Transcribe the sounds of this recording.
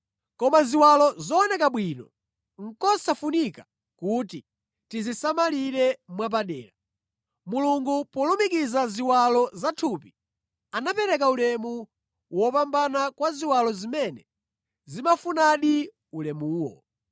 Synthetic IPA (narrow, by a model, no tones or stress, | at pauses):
kɔmaziwalɔzɔːnɛkaɓwiːnɔ | ŋ̩kɔsafunika | kuːti | tizisamaliɾɛmwap̬aɗɛ̰ːla | muluŋɡupɔlumikizaziwalɔzatʰupi | anapɛɾɛk̬aulɛmu | wɔpambanakwaziwalɔzimɛnɛ | zimafunaɗi | ulɛmuːwɔ̰